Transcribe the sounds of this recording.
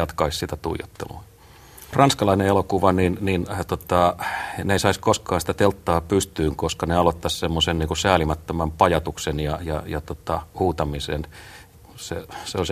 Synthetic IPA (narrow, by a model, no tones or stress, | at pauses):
ɑt̪kɑissit̪æt̪ṵijo̰t̪ːḛlṵɑ | rɑnskɑlɑineelokuʋɑninnint̪ot̪ɑneisɑiskoskɑːsi̥t̪æt̪elt̪ːɑːpyst̪yːŋkoskɑneɑlot̪ːɑssemːosenniːŋkusæːlimæt̪ːømæmpɑjɑt̪uksenjɑjɑjɑt̪ot̪ɑhuːt̪ɑmisen | sḛseols